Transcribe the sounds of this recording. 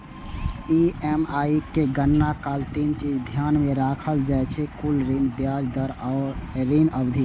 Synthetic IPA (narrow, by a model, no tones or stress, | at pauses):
iemaikeɡənːakalt̪int͡ʃid͡ʒd̪ʱjanmeɾakʰəld͡ʒajt͡ʃʰɛkulɾinbjad͡ʒd̪əɾaʊɾɾinəbd̪ʱi